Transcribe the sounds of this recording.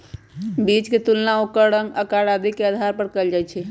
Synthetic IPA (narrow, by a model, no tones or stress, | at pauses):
bit͡ʃket̪ulnaokəɽəŋɡəkaɽad̪ikeəd̪ʱaɾpəɾkəld͡ʒajt͡ʃʰɛ